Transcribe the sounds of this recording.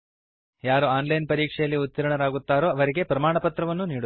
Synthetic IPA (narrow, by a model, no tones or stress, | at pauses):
jaːɾuaːnlɐjnpɐɾiːkʂɛjɐlːiut̪ːiɾɐɳɐɾaːɡut̪ːaːɾoːɐʋɐɾiɡe̞pɾɐmaːɳɐpɐt̪ɾɐʋɐnːuniːɽu